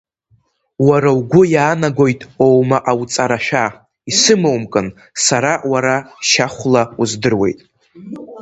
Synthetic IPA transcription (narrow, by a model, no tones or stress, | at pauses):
waɾawɡʷʊjaːnaɡʷo̞jtʼowmaʔawt͡sʼaɾaʃᶣa | isɨmowmkʼɨn | saɾawaɾaʃaχʷlauzdɨrwe̞̰jtʼ